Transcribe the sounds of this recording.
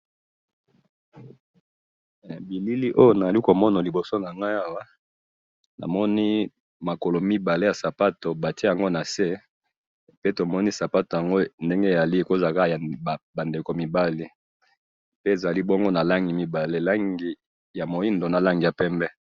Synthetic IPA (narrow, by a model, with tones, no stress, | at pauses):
bi˨li˦li˦ʔo˦jo˦na˨a˨li˦ko˨mɔ˦na˨li˨bo˨so˦na˨a˨ŋɡa˦a˦wa˦ | na̰˨mɔ˦ni˦ | ma˨ko˨lo˨mi˦ba˨le˦ja˨sa˨pa˦to˨ba˨ti˦e˦˨a˨ŋɡo˦na˨se˦ | pe˦to˨mɔ˦ni˦sa˨pa˦to˨ja˨ŋɡo˦nde˦ŋɡe˦˨za˨li˦e˨ko˦˨za˨ka˦ja˨ba˨nde˨ko˨mi˨ba˦li˦ | pe˦e˨za˨li˦bɔ˦ŋɡo˦na˨la˦ŋɡi˨mi˨ba˨le˦˨la˦ŋɡi˨ | ja˨mo˨i˦ndo˨na˨la˦ŋɡi˨ja˨pɛ˦mbɛ˦